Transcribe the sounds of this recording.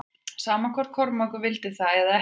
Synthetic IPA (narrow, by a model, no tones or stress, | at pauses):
saːmakʰɔɾ̥t̪̚kʰɔɾmɔkʏvɪlt̪ɪθaɛðaɛ